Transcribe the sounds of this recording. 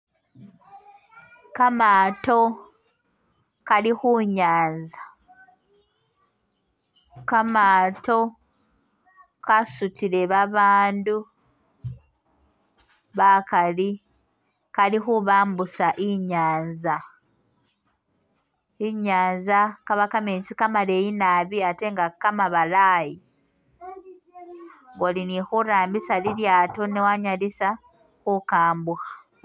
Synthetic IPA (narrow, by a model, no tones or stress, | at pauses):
kamaːto̞ | kalixuɲaːnza | kamato̞ | kasutʰiɾe̞βaβaːndu | βakali | kalixuβaːmbusaʔiɲaːnza | iɲaːnzakaβakameːnsikamale̞jinaβiate̞ŋɡakːamaβalaːji | ŋɡolinixuɾaːmbisaliljaːto̞newaɲalisa | xukaːmbuxḁ